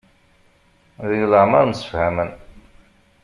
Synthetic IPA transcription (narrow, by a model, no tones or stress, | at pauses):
ðinləʕmaɾnsə̥fhæmən